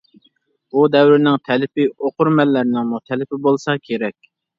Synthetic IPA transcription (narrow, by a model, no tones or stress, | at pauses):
bud̪ɛwɾɪnɪŋt̪ʰɛlɪpɪoqʰʊɾmɛlːæɾnɪŋmut̪ʰɛlɪpɪbolˠsɑkʲʰeɾɛkʲ